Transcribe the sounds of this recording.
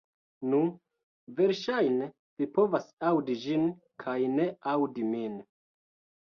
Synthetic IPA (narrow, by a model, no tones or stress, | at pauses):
nu | ve̞ɾʃajne | vipo̞vasawdid͡ʒin | kʰajne̞awdimin